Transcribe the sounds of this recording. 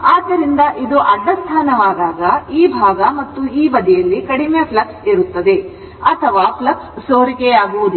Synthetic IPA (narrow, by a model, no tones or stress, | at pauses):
aːd̪ːɐɾind̪ɐʔid̪uʔɐɖːɐst̪ʰaːnɐʋaːd̪aːɡɐiːbʱaːɡɐmɐt̪ːuiːʋɐd̪ijɐlːikɐɽimjɐplɐksiɾut̪ːɐd̪e̞ | ɐt̪ʰɐʋaːplɐkssoːɾikɛjaːɡuʋud̪u